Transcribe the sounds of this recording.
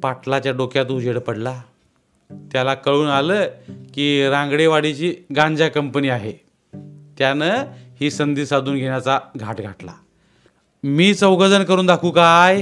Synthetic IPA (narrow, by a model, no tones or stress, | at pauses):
paʈlat͡ɕjaɖokjat̪̬ud͡ʑeɽpəɽla | t̪jalakəɭuːnaləːkiːɾãŋɡɽeʋaɽit͡ɕiːɡãɲd͡ʑakəmpəniːaɦe | t̪janəhiːsənd̪iːsad̪uːnɡʱeɳjat͡saɡʱaʈɡʱaʈla̰ | miːt͡səwɡəd͡zənkəɾuːnd̪akʰuːkaj